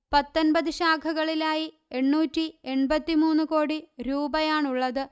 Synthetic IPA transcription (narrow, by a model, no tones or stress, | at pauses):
pɐt̪ːonbɐðɨɕaːkʰɐɣɐɭilaːji | e̞ɳːuːtːie̞ɳbɐt̪ːimuːnːuko̞ːɽiɾuːbɐjaːɳuɭːɐðɨ